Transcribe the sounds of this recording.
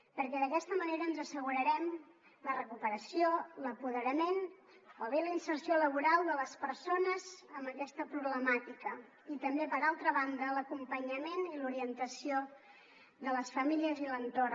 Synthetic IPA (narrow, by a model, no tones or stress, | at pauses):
pəɾkɛðəkɛst̪əməneɾəːnzəsəɣuɾəɾɛm | lərəkupəɾəsioləpuðəɾəmen | oβeləinsərsioləβ̞uɾalˠd̪ələspəɾsonəzəmbəkɛst̪əpɾuβləmat̪ikə | it̪əmbepəɾalˠt̪ɾəβand̪ələkumpəɲəmeniluɾiənt̪əsio | ðələsfəmiliəzilənt̪or